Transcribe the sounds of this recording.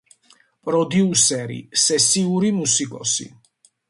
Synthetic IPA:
pʼɾɔd̪jiusɛɾḭsɛsiuɾimusikʼɔ̰sḭ

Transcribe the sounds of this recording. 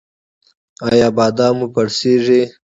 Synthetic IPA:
ɑjɑːbɑːd̪ɑmupaɽseʐi

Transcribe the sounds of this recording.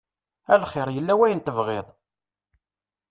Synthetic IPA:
ælχɪɾˤjəlːæwæjənt̪əvʁɪðˤ

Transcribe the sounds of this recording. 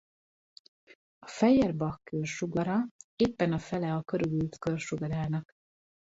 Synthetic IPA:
ɒfɛjɛrbɒkːørʃuɡɒɾɒeːpːɛnɒfɛlɛɒkøɾyɡylt̪kørʃuɡɒɾaːnɒk

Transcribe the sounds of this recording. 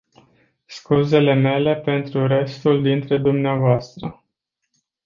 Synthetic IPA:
skuze̞le̞me̞le̞pe̞nt̪ɾuɾe̞st̪uld̪int̪ɾe̞d̪umneavoast̪ɾə

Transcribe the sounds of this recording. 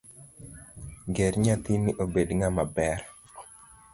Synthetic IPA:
ɡɛɾɲat̪iniʔobedŋamabɛr

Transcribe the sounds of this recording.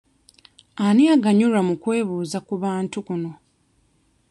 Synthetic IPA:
aniaɡaɲuɾamukwe̞ːβuːzakuβaːntukuno̞

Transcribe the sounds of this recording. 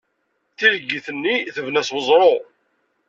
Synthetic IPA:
θiləɡːiθənːiθəvnæswəzˤɾˤo

